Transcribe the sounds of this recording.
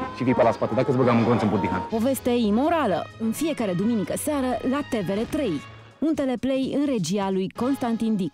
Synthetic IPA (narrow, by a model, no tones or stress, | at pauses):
ʃivijpəlaspat̪ed̪akəzbəɡamɨŋɡonsɨmbuɾd̪iɦa̰npo̞ve̞st̪eimo̞ɾalə̰ɨnfie̞kaɾe̞d̪uminikəseaɾəlat̪e̞ve̞ɾe̞t̪ɾe̞j | unt̪e̞le̞ple̞jɨnre̞d͡ʒialujko̞nst̪ant̪ind̪ik